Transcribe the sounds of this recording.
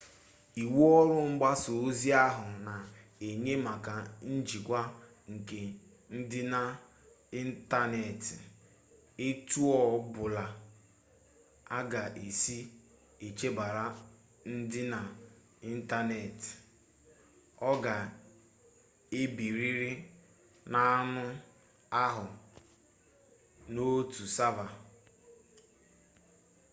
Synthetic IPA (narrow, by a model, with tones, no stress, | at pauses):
i˨wu˦ɔ˦ɾʊ˦ŋ͡m̩˦ɡ͡ba˦so˨o˦zi˦a˦ɦʊ˨na˨ | e˨ɲe˦ma˨ka˨n̩˦d͡ʒi˨kʷa˦ | ŋ̩˨ke˨ | n̩˦dɪ˦na˨ | i˦n̩˦ta˦ne˨tɪ˨ | e˦tu˦ɔ˨˦bʊ˨la˨ | a˦ɡa˨ʔe˨si˦ | e˨t͡ʃe˦ba˨ɾa˦ | n̩˦dɪ˦na˨ | i˦n̩˦ta˦ne˨ti̥˨ | ɔ˦ɡa˨ | e˦bi˨ɾi˦ɾɪ˦ | na˦nʊ˦ | a˦ɦʊ˨ | no˦tu˨sa˦va˨